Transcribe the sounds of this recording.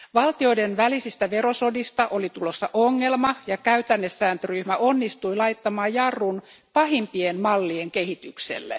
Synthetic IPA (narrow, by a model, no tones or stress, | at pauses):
ʋɑlt̪io̞idenʋælisist̪æʋe̞ɾo̞so̞dist̪ɑʔo̞lit̪ulosːɑʔoŋːe̞lmɑjɑkæyt̪ænːesːæːnt̪øryhmæʔo̞nːist̪ujlɑjt̪ːɑmɑːjjɑrːun | pɑhimpienmɑlːieŋkehit̪yksḛlːḛ